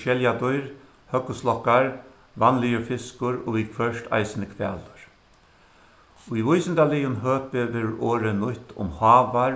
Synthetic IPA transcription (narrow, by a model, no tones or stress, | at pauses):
ʃɛljad̪ɔjɾ | hœkːʊslɔkːaɹ | vanlɪjʊɾfɪskʊɾo̰ːʋikʰfœʂt̪ʰa̰jsɪnəkʰʋɛ̰ːlʊɹ | ujvʊjsɪnd̪alɪjʊnɦøːpɪʋeːɾʊɾoːɾənʊht̪ʊ̰mhɑːʋa